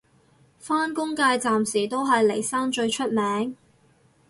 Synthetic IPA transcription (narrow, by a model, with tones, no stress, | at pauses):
faː˥nkʊ˥ŋkaː˧jt͡saː˨msiː˨˩t̪o˥wɦɐ˨jle˨˩jsaː˥ŋt͡ʃɵ˧ɥt͡ʃʰɵ˥t̚mɛː˨˥ŋ